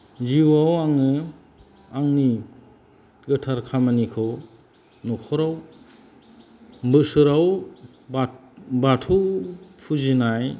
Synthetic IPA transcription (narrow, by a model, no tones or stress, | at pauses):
ziwawaŋɯ | aŋni | ɡɯtʰaɾkʰamanikʰɔ | nɔkʰɔɾaw | bɯsɯɾaw | b | batʰupʰuzinaj